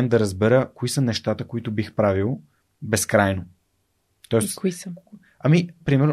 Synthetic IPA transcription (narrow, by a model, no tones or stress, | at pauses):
ɛnd̪ɐɾəzbɛɾəkoisənɛʃt̪at̪əkoit̪ʊbixpɾavilˠ | bɛskɾajno | t̪ɔɛsi | ɐmipɾimɛɾn